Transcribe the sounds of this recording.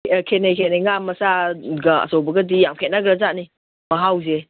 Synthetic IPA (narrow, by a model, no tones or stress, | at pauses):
kʰenejkʰeneŋamːɐsaɡɐɐ̰sɔwbɐɡɐdijamkʰet̚naɡɾazani | mɐɦawze